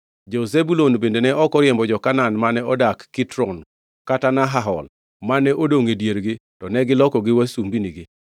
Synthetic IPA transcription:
d͡ʒozebulonbendenɛʔɔkɔɾjɛmbɔd͡ʒɔkananmanɛɔdakːitɾɔn | katanaɦaɦɔl | manɛʔodoŋedjeɾɡɪtɔnɛɡɪlɔkɔɡɪwasumbiniɡɪ

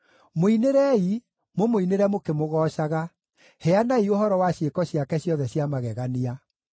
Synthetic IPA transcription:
moineɾɛi | momoineɾɛmokemoɣɔːʃaɣa | hɛanaioɦɔɾɔwaɕekɔɕjakɛɕjɔðɛɕjamaɣɛɣania

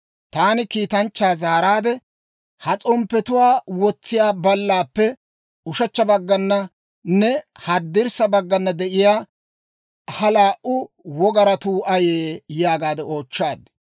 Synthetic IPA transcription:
t̪aːnɪkiːt̪ɐnt͡ʃːaːzaːɾaːd̪ɛ | hɐt͡sʼɔmpːɛt̪ʊwaːwɔt͡sːɪjaːbɐlːaːpːɛ | ʊʃɐt͡ʃːɐbɐɡːɐnːɐ | nɛhɐd̪ːɪɾsɐbɐɡːɐnːɐd̪ɛʔɪjaː | hɐlaːʔʊ | wɔɡɐɾɐt̪uːʔɐjeːjaːɡaːd̪ɛo̞ːt͡ʃːaːd̪

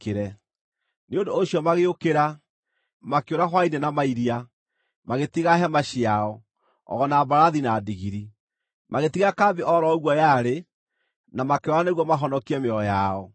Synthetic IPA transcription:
keɾɛ | neondoːɕjɔmaɣeokeɾa | makeoɾaxwainenamaiɾia | maɣetiɣaɦɛmaʃiaɔ | ɔ̰ɣɔnabaɾaðinaːdiɣiɾi | maɣetiɣakaːbeʔɔɾɔɣwɔjaɾe | namakeɔɾaneɣwɔmaɦɔnɔkiɛmeɔjaɔ

